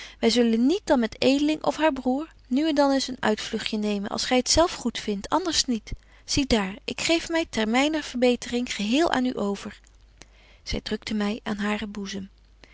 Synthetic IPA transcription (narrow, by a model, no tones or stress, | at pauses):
ʋɛjzɵlənːit̚dɑnmɛtejdəlɪŋʔɔ̰fɦaːɹbruːɹ | nyɛndɑnɪsənœ̰ɥtflɵχjənejmənʔɑ̰lˠsχɛjətsɛlˠfχutfɪntʰɑndəɹsnit | z̥idaːɹɪkχejfmɛjtɛɹmɛjnəv̥əɹbejtərɪŋχəɦɪːlˠʔa̰ːny̰ʔowv̥əɹ | z̥ɛjdrɵk̚təmɛja̰ːnɦaːrəbuzəm